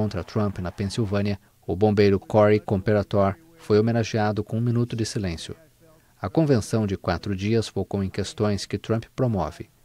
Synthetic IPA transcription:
õnt̪ɾɐt̪ɾɐ̃mpɪnɐpẽsiwvɐ̃niɐ | ʊbõbejɾʊkɔɾikõpeɾat̪ɔɾ | fojomenaʒiad̪ʊkõũmĩnut̪ʊd͡ʒɪsilẽsjʊ̰ | ɐkõvẽsɐ̃w̃d͡ʒɪkwa̰t̪ɾʊd͡ʒiɐsfokõw̃ẽkest̪õj̃skɪt̪ɾɐ̃mpɪ̥pɾomɔ̰vɪ

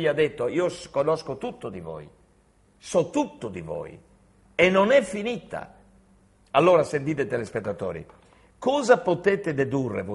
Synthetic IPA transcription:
iad̪ɛt̪ːoiːoskɔnɔskot̪ut̪ːod̪ivɔ̰ːj | sɔt̪ut̪ːod̪ḭvɔ̰ːj̰ | ɛnːɔnɛfːinit̪a̰ | alːoːɾasent̪̬iːt̪ɛt̪ɛlɛspɛt̪ːat̪ɔ̰ːɾḭ | kɔːzapot̪ɛːt̪ɛd̪ed̪urːḛvo

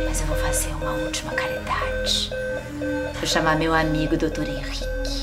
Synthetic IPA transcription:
mɐzewvowfazeɾũmɐut͡ʃimɐkalid̪ad͡ʒi | voʃamamewamiɡʊd̪ot̪oɾẽʁikʲi̥

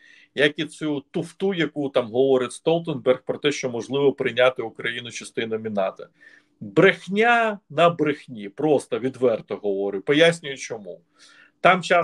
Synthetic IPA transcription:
jɐkit͡sʲut̪ʊft̪ujɐkut̪amɦɔʋɔɾɪt̪ʲst̪ɔlˠt̪enbɛrxpɾɔt̪ɛʃt͡ʃɔmɔʒlˠɪʋɔpɾɪnʲat̪ɪʊkɾɐjinʊt͡ʃɐst̪ɪnɐmʲinɑt̪ɐ | bɾɪxnʲanɐbɾɪxnʲipɾɔst̪ɐʋʲid̪ʋɛrt̪ɔɦɔʋɔɾɪpɔjasʲnʲʊjʊt͡ʃɔmu | t̪ɑmt͡ʃa

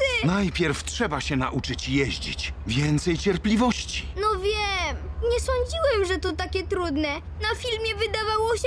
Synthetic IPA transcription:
ɪnajpʲjɛɾftʂɛbaɕɛnaʔut͡ʂɘt͡ɕjɛʑd͡ʑḭt͡ɕvʲjɛnt̪sɛjt͡ɕɛɾplʲivɔɕt͡ɕi̥nɔvʲjɛmɲɛsɔɲd͡ʑiwɛmʐɛt̪ɔt̪akʲɛt̪ɾud̪nɛ | nafʲilmʲjɛvɘd̪avawɔɕɛ

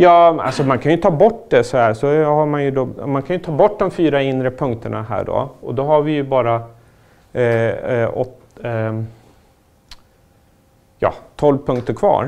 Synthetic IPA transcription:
jɑːa̰lsɔmankʰanjɵt̪ʰɑːbɔʈːd̪ɛsɔhæːɾsɔhamanjɵd̪ɔmankʰanjɵt̪ʰɑːbɔʈːd̪ɔmfyːɾaɪnːɾəpʰɵŋkt̪ʰəɳa̰hæ̰ːɖo̰ɔd̪ɔɦaɾvɪjɵbɑːɾa | ɔt̪ | jɑ̰ːt̪ʰːɔlvpʰɵŋk̚t̪əɾkʰvɑ̰ːɾ

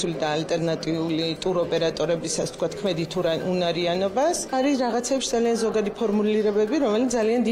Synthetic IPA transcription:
ulid̪aːlt̪ʼɛɾnat̪ʼiulit̪ʼuɾɔpʼɛɾat̪ʼɔɾɛbisasɛt̪̚kwat̪̚ʰkʰmɛd̪it̪ʰuɾaunaɾianɔbasaɾiɾaʁat̪sʰɛːpʃid̪zalianzɔɡad̪ipʰɔɾmuliɾɛbɛbiɾɔmɛlit̪aliand̪i

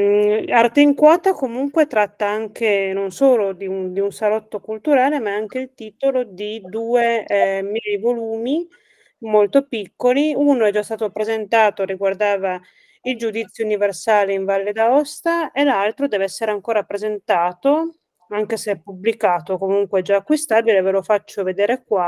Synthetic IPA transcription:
art̪eiŋkwaːt̪akomuŋkwet̪ɾat̪ːaaŋkenonsoːlod̪iund̪iunsalɔt̪ːokult̪uɾaːlemaaŋkeilt̪iːt̪olod̪id̪uːemjɛjvoluːmi | molt̪opikːoliunoɛd͡ʒːast̪aːt̪opɾezent̪aːt̪oɾiɡward̪aːva | ild͡ʒud̪it̪sːjouniversaːleiɱvalːed̪aɔst̪aelalt̪ɾod̪ɛːveɛsːeɾeaŋkoːɾapɾezent̪aːt̪o | aŋkeseɛpːublikaːt̪okomuŋkweɛd͡ʒaːkːwist̪aːbilevelofat͡ʃːoved̪eːɾekwa

